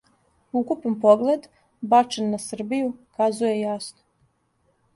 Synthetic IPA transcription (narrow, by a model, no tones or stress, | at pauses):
ukupanpoɡled̪ | bat͡ʂenːasr̩bijukazujɛjasno